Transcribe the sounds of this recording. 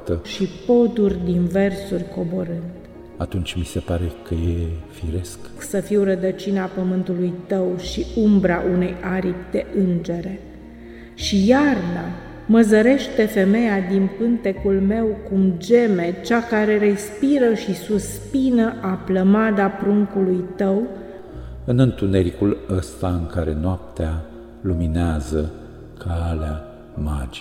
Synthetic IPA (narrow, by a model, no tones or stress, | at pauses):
t̪əʃipo̞t̪urʲd̪inve̞rsurʲko̞bo̞ɾɨnd̪ | a̰t̪unt͡ʃʲmise̞paɾḛkəjḛfḭɾe̞skksəfiwrəd̪ət͡ʃinapəmɨnt̪ulujt̪əwʃiumbɾaʔunejaɾipd̪e̞ʔɨnd͡ʒe̞ɾe̞ | ʃijarna | məzəɾe̞ʃt̪e̞fe̞me̞jad̪inpɨnt̪e̞kulme̞wkumd͡ʒe̞me̞t͡ʃakaɾe̞ɾe̞spiɾəʃisuspinəʔapləmad̪apɾuŋkulujt̪əw | ɨnɨnt̪une̞ɾikuləst̪aɨŋkaɾe̞noap̚t̪ea | lumineazə | kʰalea | ma̰d͡ʒi̥